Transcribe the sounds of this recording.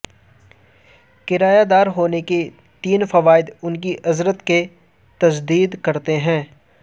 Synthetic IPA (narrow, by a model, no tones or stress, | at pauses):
kɪɾaːjad̪aːɾɦoːneke | t̪iːnfɐʋaːɪd̪ʊnk̬iʔɐzɾət̪ke | t̪ɐsd̪iːd̪kɐɾt̪eɦɛ̃ː